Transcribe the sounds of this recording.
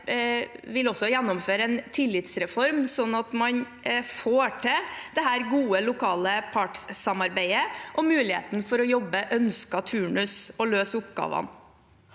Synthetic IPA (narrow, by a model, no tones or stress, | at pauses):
ʋɪlɔsːɔjænːɔmføːɾəɛnt̪ʰɪlːɪt̪sɾɛfɔɾmsɔnːɑt̪mɑɲ | foːʈʰɛd̪ɛɦæːɾɡuːəlʊkʰɑːləpʰɑʈssɑmɑɾbæɪəʔɔmʉːlɪhḛːt̪n̩fɔɾɔjɔbːəʔœnskɑt̪ʰʉːɳʉsɔløːsʊpɡɑ̰ːʋɑ̰n